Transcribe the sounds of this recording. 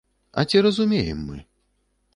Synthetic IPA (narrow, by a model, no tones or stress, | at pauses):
ɐ̰t͡sʲiɾɐzumʲejɛ̰mːɨ̰